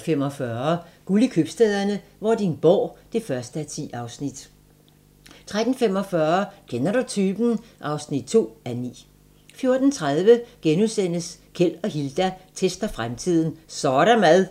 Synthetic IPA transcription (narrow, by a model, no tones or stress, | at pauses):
fem̰ɒ̽fɶːɐɡ̥ulikʰøb̥sd̥ɛːð̰ˠɐnəʋɒd̥inb̥ɒ̰ːd̥e̝fɶɐsd̥əæt͡sʰḭːɑ̈ʊsnid̥ | t͡sʰʁad̥n̩fem̰ɒ̽fɶɐkʰenɐɾ̥ut͡sʰyːb̥nʔɑ̈ʊsnid̥̚t͡sʰo̝̰ːænḭː | fjo̝ɐd̥n̩t͡sʰʁað̞ˠʋəɡ̥enuðˠsen̰əskʰel̰ɒ̽ɦild̥æt͡sʰesd̥ɐfʁamt͡sʰið̞̰ˠn̩sɒːɾ̥æmæðˠ